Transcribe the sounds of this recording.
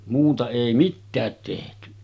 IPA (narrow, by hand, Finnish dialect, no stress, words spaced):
muːtɑ eˑi mitːæːt tehty